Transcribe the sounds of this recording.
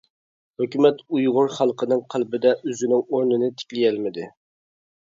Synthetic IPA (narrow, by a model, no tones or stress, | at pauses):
høkʲymɛt̪ujʁʊɾχælˠqʰənɨŋqʰælbɪd̪ɛʔøzɪnɪŋoɾnɨnɪt̪ʰɪ̥kʲlijɛlmɪd̪ɪ